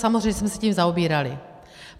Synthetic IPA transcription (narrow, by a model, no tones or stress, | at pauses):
samozr̝ejɲɛsmɛsɛciːmzaobiːɾalɪ